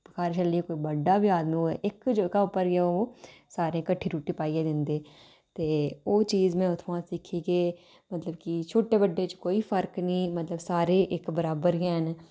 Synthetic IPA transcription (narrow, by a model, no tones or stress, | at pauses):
əkaːɾt͡ʃəliekoːibəɖːaːbiaːd̪miɛ̰ːʔɪkd͡ʒəːɡaʊpːəɾosaːɾẽːkəʈʰːiːɾuːʈiːpaːiːeːd̪ɪ̃nd̪eː | t̪eːoːt͡ʃiːzmɛ̃ːʊt̪ʰmãːsɪkʰːiːɡeː | mət̪ləbkit͡ʃʰoːʈeːbəɖːeːt͡ʃkoːiːpʰəɾknĩːmət̪ləbsaːɾeːʔɪkbəɾaːbəɾɡɛːn